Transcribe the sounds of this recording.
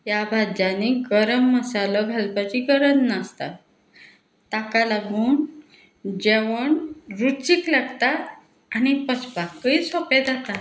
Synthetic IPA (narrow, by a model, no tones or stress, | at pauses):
jabʱad̪janiɡəɾəmːəsalɔɡʱalpat͡ɕiɡəɾənnast̪a̰ | t̪akalabuːɳ | d͡ʑeʋəɳɾut͡ɕiklaɡt̪a | añipət͡sʰpakːəisɔped̪at̪a